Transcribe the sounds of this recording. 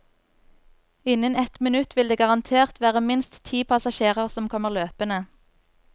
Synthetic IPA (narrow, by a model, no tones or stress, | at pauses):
ɪnənɛt̪mɪnʉt̪ʋɪld̪eːɡɑʁɑnt̪ʰeːʁt̪ʋæːʁəmɪnst̪t̪ʰiːpʰɑsɑʃeːʁəʁsɔmkʰɔməʁløːpənə